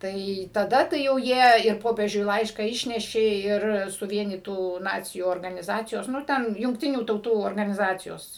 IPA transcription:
ˈtɐɪ tɐˈdɐ tɐɪ jɛʊ ˈjiɛ ɪr ˈpoːpʲiɛʒʲʊɪ ˈlˠɐɪʃkɑː ˈɪʃʲnʲɛʃʲeː ˈɪr sʊˈʋʲiɛnʲiːtuː ˈnɑːt͡sʲɪjuː oːrɡɐnʲɪˈzɑːt͡sʲɪjoːs nʊ ˈtʲɛn jʊŋkˈtʲɪnʲuː tɐʊˈtuː oːrɡɐnʲɪˈzɑːt͡sʲɪjoːs

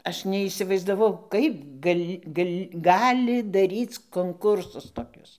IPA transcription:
ˈɐʃ nʲɛiːsʲɪʋɐɪzdɐˈʋɐʊ ˈkɐɪp ˈɡɐlʲ ˈɡɐlʲ ˈɡɑːlʲɪ dɐˈrʲiːt͡s koːŋˈkʊrsʊs toːˈkʲʊs

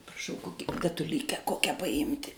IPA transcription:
prɐˈʃɐʊ ˈkoːkʲɪ dɐtʊˈlʲiːkʲæː ˈkoːkʲɛ pɐˈɪmʲtʲɪ

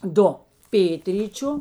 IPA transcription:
ˈdʊ ˈpʲeːtʲrʲiːt͡ʃʲʊ

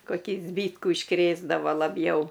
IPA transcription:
koːˈkʲiː ˈzʲbʲiːtkuː ɪʃˈkrʲeːzdɐʋɐ lˠɐˈbʲjɛʊ

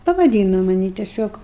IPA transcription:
pɐʋɐˈdʲiːnoː mɐˈnʲiː tʲɛˈsʲoːk

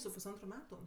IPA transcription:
sʊ pʊsˈɐntrʊ ˈmʲæːtʊ

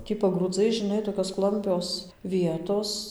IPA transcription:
ˈtʲiː pɐɡruːˈd͡zɐɪ ʒʲɪˈnɐɪ toːkʲoːs ˈklˠɐmʲpʲoːs ˈʋʲiɛtoːs

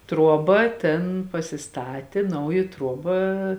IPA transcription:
ˈtruɔˌbɐ ˈtʲeːn pɐsʲɪˈstɑːtʲeː ˈnɐʊjɪ ˈtruɔbɐ

